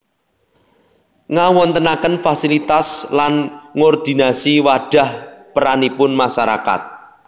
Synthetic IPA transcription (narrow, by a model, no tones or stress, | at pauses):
ŋawɔnt̪ənakənfasilit̪aslanŋɔrd̪̥i̤nasiwaɖ̥a̤hpəɾanipʊnmaʃaɾa̰ka̰t̪̚